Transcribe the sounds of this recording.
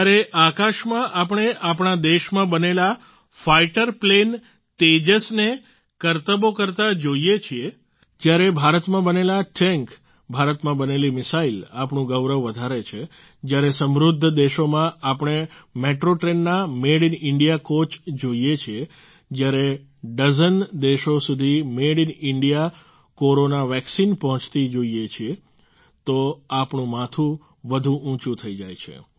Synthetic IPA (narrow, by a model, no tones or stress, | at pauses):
aɾeʔakaʃmãʔapɳ̃eʔapɳ̃ad̪eʃmãbənela | faiʈəɾplen | t̪ed͡ʒəsne | kəɾt̪əbokəɾt̪ad͡ʒoijet͡ʃʰie | d͡ʒjaɾebʱaɾət̪mãbənelaʈɛŋk | bʱaɾət̪mãbənelimɪsailapɳũɡəʋɾəʋːəd̪ʱaɾet͡ʃʰe | d͡ʒjaɾesəmɾʊd̪ʱːd̪eʃomãʔapɽ̃emeʈɾoʈɾenːameɽinɪɳɖijakot͡ʃd͡ʒoijet͡ʃʰie | d͡ʒjaɾe | ɖəzənd̪eʃosud̪ʱimeɽinɪɳɖija | koɾonaʋɛksinpəɦɔ̃t͡ʃt̪id͡ʒoiet͡ʃʰie | t̪oapɳũmãt̪ʰũ | ʋəd̪ʱũʔũt͡ʃũt̪ʰəid͡ʒajt͡ʃʰḛ